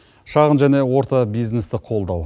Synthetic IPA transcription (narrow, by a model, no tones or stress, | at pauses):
ʃɑʁənʒæne̞wo̞ɾt̪ɑbijzne̞st̪ɪqʰo̞lˠd̪ɑw